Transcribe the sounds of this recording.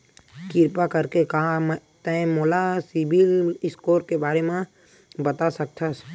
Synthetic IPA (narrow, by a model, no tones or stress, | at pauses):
kɪɾpakəɾkekam | t̪ɛ̃moːlasɪbɪlɪskoːɾkebaːɾemẽ | bət̪asɐk̚t̪ʰas